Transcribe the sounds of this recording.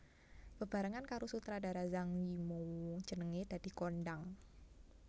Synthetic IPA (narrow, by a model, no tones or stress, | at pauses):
b̥əb̥a̤ɾaŋankaɾosut̪ɾada̤ɾazaŋjimo̥ʒ̥ə̤nəŋed̪̥a̤d̪̥i̤kɔndaŋ